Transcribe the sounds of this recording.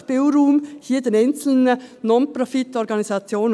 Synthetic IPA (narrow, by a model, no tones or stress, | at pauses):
b̥eʊɾuːmhiːɐd̥enɛnt͡sl̩nənɔnpʁɔfɪt̪ɔɾɡɑnisɑt͡sjoːnə